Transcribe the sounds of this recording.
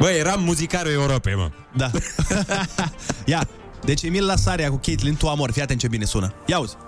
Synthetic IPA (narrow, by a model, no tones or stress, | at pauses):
bəjeɾamːuzikalueuɾopema̰ | d̪a | ja | d̪et͡ʃemillasaɾeakukʲet̪lint̪uamorʲfiat̪ent͡ʃebinesunəjauz̥ʲ